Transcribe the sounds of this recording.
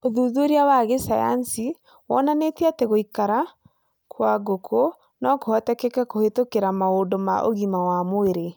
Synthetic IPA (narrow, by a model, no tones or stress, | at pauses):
oðuːðeɾiawaɣesaja̰nsi | wɔ̰nanetiatɛɣoikaɾa | kwaɡokʰo | nɔkohɔtɛkɛkakohetokeɾamaodoma̰ʔo̰ɣimawamoeɾe